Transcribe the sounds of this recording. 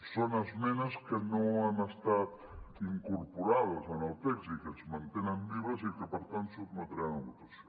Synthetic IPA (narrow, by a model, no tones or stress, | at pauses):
sonazmenaskenõanast̪at̪ | iŋkoɾpoɾaðazanalt̪eksikezmãnt̪enambiβasikepeɾt̪ant̪sozmot̪ɾaŋbut̪as